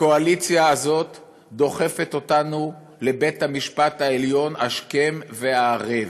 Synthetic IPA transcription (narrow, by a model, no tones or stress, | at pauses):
ko̞alit͡sjaːzo̞t̪ | d̪o̞χe̞fet̪o̞tanu | le̞bet̪hamiʃpat̪haeljo̞naʃke̞mve̞aːʁev